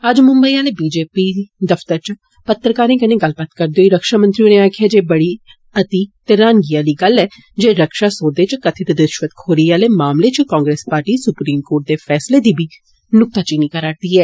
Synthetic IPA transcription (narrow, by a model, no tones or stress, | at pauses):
əd͡ʒmʊ̃mbəiːaːlebiːd͡ʒeːpiːd̪əft̪əɾt͡ʃ | pət̪ːɾkaːɾẽːkənẽːɡəlbət̪kəɾd̪eoːiɾəkʃaːmə̃nt̪ɾiõːneaːkʰeaːd͡ʒeːbəɽiː | ət̪iːt̪ɪɾaːnɡiːaːliːɡəlːɛː | d͡ʒeːɾəkʃaːsoːd̪eːt͡ʃkət̪ʰeːt̪ed̪ɪʃʋət̪kʰoːɾiːaːleːmaːmleːt͡ʃkãːŋɡɾeːspaːɾʈiːsʊpɾiːmkoːʈ̚d̪eːfʰɛːsleːd̪iːbʱiː | nʊk̚t̪aːt͡ʃiːniːkəɾaːɾ̚d̪iːɛː